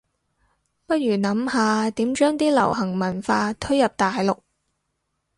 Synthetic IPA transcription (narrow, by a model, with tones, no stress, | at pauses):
pɐ˥t̚ɥyː˨˩nɐ˨˥mhaː˧t̪iː˨˥mt͡ʃœː˥ŋt̪iː˥lɐ̰˨˩whɐ˨˩ŋmɐ˨˩nfaː˧t̪ʰɵ˥ɥjɐ˨p̚t̪aː˨jlʊ˨k̚